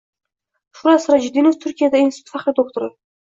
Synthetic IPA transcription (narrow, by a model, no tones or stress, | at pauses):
ʃʊɾasɾad͡ʒɪd̪inoft̪ʰʊɾkʲijad̪ainsɪ̥t̪ʰfaχɾɪd̪ok̚t̪oɾɪ